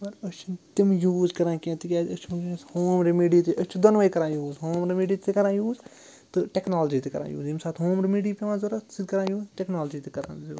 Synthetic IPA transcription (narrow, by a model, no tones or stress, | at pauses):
pɐɾɐt͡ʃʰint̪imjuːzkɐɾãːkiẽt̪ikʲaːɐt͡ʃʰmkshoːmɾimiːɖiːt̪iʔɐt͡ʃʰud̪onʋɐikɐɾãːjuːzɦoːmɾimiːɖiːikɐɾãːjuːz | t̪ɨʈeknaːld͡ʒit̪ikɐɾã̰ːjṵːzimsaːt̪ɦoːmɾimiːɖiːpiʋãːzoɾɐsid̪kɐɾãːjuːzʈeknaːld͡ʒiːt̪ikɐɾã̰ːzo̰ː